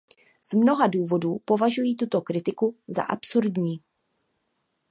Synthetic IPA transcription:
z̥mno̞ɦaduːvo̞duːpo̞vaʒujiːt̪ut̪o̞kɾɪt̪ɪkuza̰ʔapsuɾdɲiː

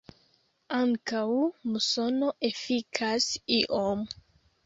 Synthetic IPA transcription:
aŋkawmuso̞no̞ʔe̞fikʰasiʔom

